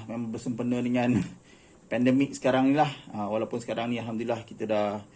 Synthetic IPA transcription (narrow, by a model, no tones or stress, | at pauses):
memaŋbərsəmpənədəŋãn | pɛndəmɪk̚sə̥kaɾaŋnilahəwalawpʊnsə̥kaɾaŋnĩalɦamd̪ulilahkit̪ada